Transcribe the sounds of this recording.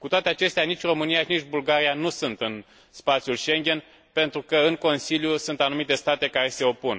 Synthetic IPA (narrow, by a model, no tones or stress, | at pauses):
kut̪oat̪eat͡ʃe̞st̪eanit͡ʃʲro̞mɨnijaʃinit͡ʃʲbulɡaɾijanusunt̪ɨn | spat̪sjulʃe̞ŋɡʲe̞n | pe̞nt̪ɾukəɨŋko̞nsiljusunt̪anumit̪e̞st̪at̪e̞kaɾe̞se̞o̞pun